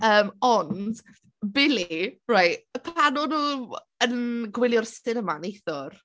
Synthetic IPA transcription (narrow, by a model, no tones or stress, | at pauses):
əːmɔnd | bɪlirajpʰanɔnu | ənɡwɪlˠjɔrsɪnəmanejθɔr